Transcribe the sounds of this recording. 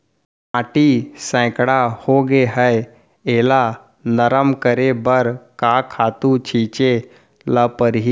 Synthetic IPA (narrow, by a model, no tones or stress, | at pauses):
maːʈisɛ̃ːkɽahoɡeɦəe | eːla | nəɾəmkəɾebəɾkakʰaːt̪ũt͡ʃʰiːt͡ʃe | ləpəɾɦi